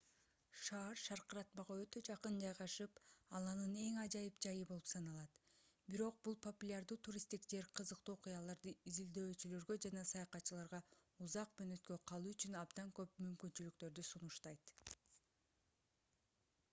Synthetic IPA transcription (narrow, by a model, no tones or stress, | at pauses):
ʃɑːɾʃɑɾqɯɾɑt̪mɑʁɑø̞t̪ø̞d͡ʒɑqɯnd͡ʒɑjʁɑʃɯpɑlˠɑnɯne̞ŋɑd͡ʒɑjɯpd͡ʒɑjɯbo̞lˠupsɑnɑlˠɑt̪biɾo̞q̚bulˠpʰo̞pulʲaɾd̪uːt̪ʰuɾʲist̪ikd͡ʒe̞ɾqʰɯzɯq̚t̪uːoqujɑlˠɑɾd̪ɯizild̪ø̞ːt͡ʃylø̞ɾɡø̞d͡ʒɑnɑsɑjɑqɑt̪ːt͡ʃɯlˠɑɾʁɑuzɑq̚møːnø̞t̪kø̞qʰɑlˠuːyt͡ʃynɑbd̪ɑŋkø̞pmymkynt͡ʃylykt̪ø̞ɾd̪ysunuʃt̪ɑjt̪